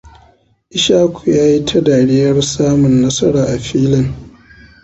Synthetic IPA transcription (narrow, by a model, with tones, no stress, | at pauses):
ʔɪ˦ʃaː˦kʰʷu˨jaː˦ji˦tʰɐ˦daː˨ɽɪː˦jɐ˦rsaː˦mʊ˨nːɐ˦sɐ˦ɽaː˨ʔa˨ɸiː˦lɪ˦n